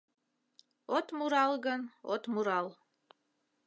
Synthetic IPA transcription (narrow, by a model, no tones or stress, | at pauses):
ot̪muɾɑlˠɣəno̰t̪muɾɑl